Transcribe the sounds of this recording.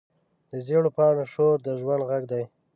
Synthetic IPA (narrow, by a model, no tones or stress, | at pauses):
d̪əzeɽopɑɳoʃoɾd̪əʒwand̪ɣaɡd̪aj